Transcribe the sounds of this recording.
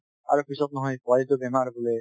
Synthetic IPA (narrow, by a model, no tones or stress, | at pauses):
a̰ɾokisɔb̚nɔɦɔjpaɾit̪obɛmaɾbole